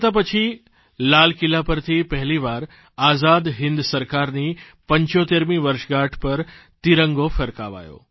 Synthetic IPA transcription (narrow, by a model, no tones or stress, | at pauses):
t̪ap̬ət͡ʃʰi | laːlkilapəɾt̪ʰipɐɦliʋaːɾ | aːzaːd̪ɦɪ̃nd̪səɾkaːɾni | pə̃ɲt͡ɕot̪eɾmiʋəɾʃəɡaʈʰpɐɾt̪iɾəŋɡofʰɐɾka̰ʋa̰ːjo̰ː